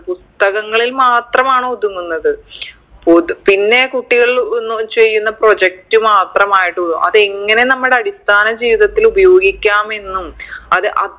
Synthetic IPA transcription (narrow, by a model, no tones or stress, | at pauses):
pust̪ɐɣɐŋːɐɭilmaːt̪rɐmaːɳod̪uŋːunːɐðɨ | popinːe̞kuʈːiɣɐɭnːut͡ɕejːunːɐpro̞d͡ʑek̚tɨmaːt̪rɐmaːjiʈːuðumʔɐðɨeŋːɐne̞nɐmːuɽeɐɽist̪ʰaːnɐd͡ʑiːʋiðɐt̪ːilubɐjo̞ːɡikʲːaːme̞nːumɐðɨʔɐ